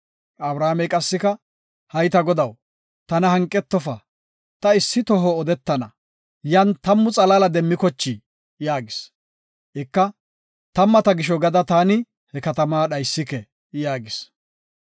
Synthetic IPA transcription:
ɐbɾaːmɛjkʼɐsːɪkɐ | hɐjt̪ɐɡɔd̪ɐw | t̪ɐnɐhɐŋkʼːɛt̪ːɔfɐ | t̪ɐɪsːɪt̪ɔɦɔːd̪ɛt̪ːɐnɐ̰ | jɐnt̪ɐmːʊt͡sʼɐlalɐd̪ɛmːɪkɔt͡ʃːɪ | jaːɡɪs | ʔɪkːɐ | t̪ɐmːɐt̪ɐɡɪʃ̬ɔɡɐd̪ɐt̪aːnɪ | hɛkɐt̪ɐmaːɗɐjsːɪkɛ | jaːɡɪs

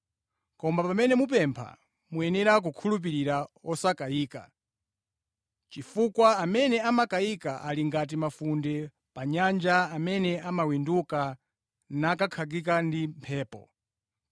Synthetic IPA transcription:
kɔmbapamɛnɛmup̬ɛmpʰa̰ | muɛnɛɾak̬ukʰulup̬iɾiɾaɔsakaiːka̰ | t͡ʃifukwaamɛnɛamakaikaʔaliŋɡat̬imafundɛ | paɲand͡ʒaamɛnɛamawinduka | nakakʰaɡik̬andimpʰɛːpɔ̰

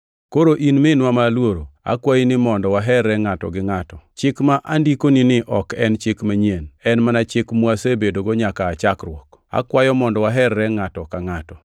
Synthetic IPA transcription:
koɾoʔinmɪnwamalwoɾoa̰kwajinɪmɔndɔwaɦɛrːɛŋatɔ̰ɡɪŋatɔt͡ʃɪkmaʔandikoninɪʔɔkɛnt͡ʃɪkmaɲienɛnmanat͡ʃɪkmwasebedoɡoɲakaːt͡ʃakrwɔk | a̰kwajɔmɔndɔwaɦɛrːɛŋatɔkaŋatɔ

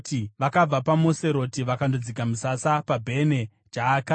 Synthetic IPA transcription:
tiʋakab͡vapamose̞ɾo̞tiʋakandod͡zikamusasapabʱe̞ne̞ | d͡ʒaːka

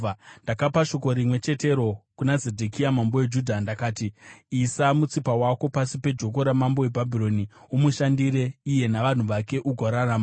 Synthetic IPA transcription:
ndakapaʃo̞ko̞ɾimwe̞t͡ʃe̞te̞ɾo̞kunazedʱekiamamboed͡ʒudʱandakaːtiisamut͡sipawako̞pasipe̞d͡ʒo̞k̬o̞ɾamambo̞e̞bʱabʱiro̞niumuʃandiɾe̞ije̞naʋan̤uʋake̞ʔuɡʱoɾarama

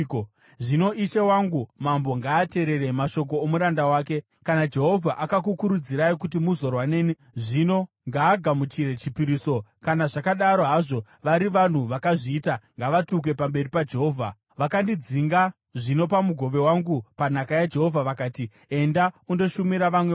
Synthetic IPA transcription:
ʐino̞ʔiʃewaŋɡumambo̞ŋɡaːte̞ɾe̞ɾe̞maʃo̞k̬oːmuɾandawaːke̞ | kanad͡ʒe̞ɦo̞vʱaʔakak̬ukuɾud͡ziɾaikut̬imuzo̞rwaneːni | ʐino̞ | ŋɡaːɡʱamut͡ʃiɾet͡ʃipiɾiːso̞kanaʐakaɗaɾo̞ɦaʐo̞ | ʋaɾiʋan̤uʋakaʐiːtaŋɡaʋatuk̬we̞pambe̞ripad͡ʒeɦo̞ːvʱa̰ | ʋakandid͡ziŋɡa | ʐino̞pamuɡʱo̞ʋe̞waŋɡupanakajad͡ʒe̞ɦo̞vʱaʋakaːti | e̞ndaundo̞ʃumiɾaʋamwe

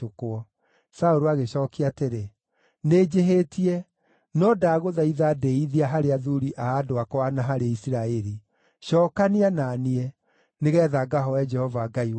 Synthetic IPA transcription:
tokoɔ | saoɾoaɣeɕɔːkeateɾe | ned͡ʒeɦetiɛ | nɔdaːɣoðaiðadɛiðiaɦaɾeaðuɾiʔaːdoakɔwanaɦaɾeisiɾaɛɾi | ʃɔːkaniananiɛ | neɣɛːðaɡaɦɔɛd͡ʒɛhɔvaɡaiw

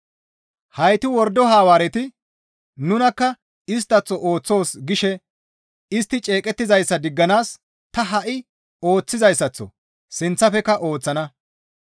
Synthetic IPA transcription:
hɐjt̪ɪwɔɾd̪ɔɦaːwaːɾɛt̪ɪ | nʊnɐkːɐ | ɪs̬t̪ːɐt͡sːɔʔoːt͡sːo̞ːsɡɪʃɛ | ɪst̪ːɪt͡ʃʼe̞ːkʼɛt̪ːɪzɐjsːɐd̪ɪɡːɐnaːs | t̪ɐɦɐʔɪ | o̞ːt͡sːɪzɐjsːɐt͡sːɔ̰ | sɪnt͡sːɐfɛkːɐʔo̞ːt͡sːɐnɐ

